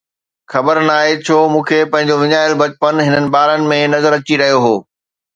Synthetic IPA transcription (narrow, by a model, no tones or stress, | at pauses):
xɐbəɾnaːɦet͡ɕʰoːmũːkʰepɐ̃ɦɪ̃ɲ̆d͡ʑoʋɪɲaːɪlbɐt͡ɕpənɦɪnənɪ̆baːɾənɪ̆mẽnɐzəɾɐt͡ɕiɾɐɦijoɦoː